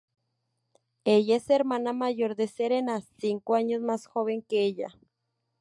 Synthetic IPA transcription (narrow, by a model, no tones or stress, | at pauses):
ejaeseɾmanamaʝoɾðeseɾenasiŋkoaɲosmasxoβeŋkeeʎa̰